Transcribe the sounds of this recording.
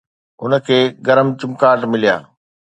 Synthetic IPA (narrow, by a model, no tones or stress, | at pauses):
ʊnə̆kʰeːɡɐɾəmt͡ɕʊmkaːʈmɪlija̰ː